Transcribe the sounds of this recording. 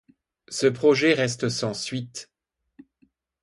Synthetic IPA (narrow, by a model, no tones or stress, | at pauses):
səpχɔʒɛʁɛst̪sɑ̃sɥit̪